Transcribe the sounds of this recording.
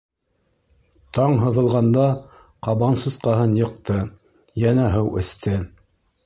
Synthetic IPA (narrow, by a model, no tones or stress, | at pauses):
t̪ɑɴɦɤ̆ðɤ̆lˠʁɑnd̪ɑ | qɑβɑnsɤsqɑɦɤnjɤ̆q̚t̪ɤ | jænæɦɤwɘ̰̆st̪ʰɘ